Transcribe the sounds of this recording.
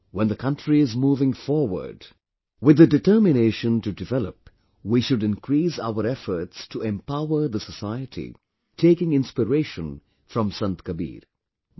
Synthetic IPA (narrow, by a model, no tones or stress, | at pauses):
wɛ̃nd̪əkʰʌ̃ntɹiɪzmuːvɪ̃ŋfɔɹwə̰˞d | wɪðɨdɨtɜ˞mɪneɪʃə̃ntɨdɨvɛləp̚ | wiʃʊdɪ̃nkʰɹiːsa̰ʊəɾɛfə˞tstʰuɛ̃mpaʊə˞ðəsəsaɪɨtʰḭ | tʰeɪkɪ̃ŋɪ̃nspəɾeɪʃə̃n | fɹʌ̃msʌ̃nt̪kəbḭːɾ